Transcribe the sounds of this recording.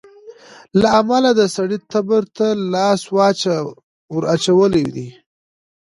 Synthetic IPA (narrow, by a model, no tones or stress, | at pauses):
laamalad̪əsaɽit̪abəɾt̪alɑswɑt͡ʃa | wəɾat͡ʃawəled̪i